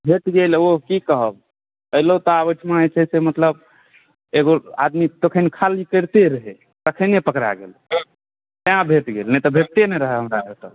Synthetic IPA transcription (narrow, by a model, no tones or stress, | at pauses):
bʱet̪ɡelokikəɦəb | əɦlot̪ɔaβət͡ʃʰmaət͡ʃʰɛsemət̪ləb | eɡoa̰d̪mit̪okʰənkʰalikəɾt̪eɾəɦe | t̪əkʰənepəkɾa̰ɡḛl | t̪eãbʱet̪ɡelnɛt̪ɔbʱeʈ̚t̪enɛɾəɦɛɦəmɾaet̪ə